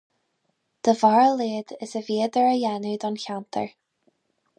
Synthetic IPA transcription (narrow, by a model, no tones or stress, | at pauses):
d̪̥əvaɹəleːd̪ɪsəviːəd̪əɹəjɛnəd̪ɔnçant̪ʰə̰ɹ